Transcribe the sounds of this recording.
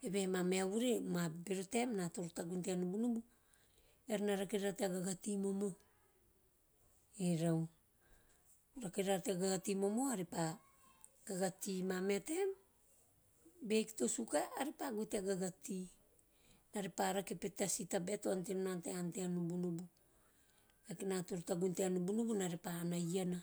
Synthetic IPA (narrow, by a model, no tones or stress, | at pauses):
ebemameaβuɾemabeɾote̞mnato̞ɾotaɡunteanubunubu | eɾnaɾakiɾateaɡaɡatimo̞mo̞ | eɾaw | ɾakiɾateaɡaɡatimo̞mo̞aɾipa | ɡaɡatimame̞te̞m | be̞kto̞sukaːɾepaɡuteaɡaɡati | naɾepaɾakepetasitabetoantemnanteanteanubunubu | akinatoɾtaɡunteanubunubunaɾepaːnajana